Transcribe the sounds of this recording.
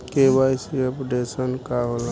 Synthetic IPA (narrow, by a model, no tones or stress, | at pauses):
keʋajsepɖesənkaɦola